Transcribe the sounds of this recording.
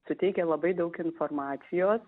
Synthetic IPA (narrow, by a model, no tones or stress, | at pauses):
sʊt̪ʲɛɪkʲɛlˠɐbɐɪd̪ɐʊkɪnfoːɾmɑːt̪sʲɪjoːs